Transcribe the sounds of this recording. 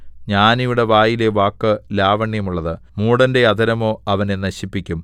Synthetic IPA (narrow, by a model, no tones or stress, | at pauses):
ɲaːnijuɽe̞ʋaːjile̞ʋaːkːɨlaːʋɐɳjɐmuɭːɐðɨ | muːɽɐnde̞ɐd̪ɐɾɐmo̞ːɐʋɐnenɐɕipːikʲːum